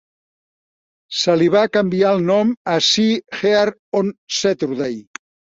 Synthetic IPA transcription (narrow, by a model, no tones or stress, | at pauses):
səliβ̞akəmbialˠnɔməsixeaɾ | onset̪ɾuðej